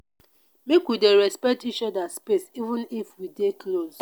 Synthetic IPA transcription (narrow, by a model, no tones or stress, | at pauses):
mekwideɾɛspɛk̚tit͡ʃɔdaspesivũnifwidekloz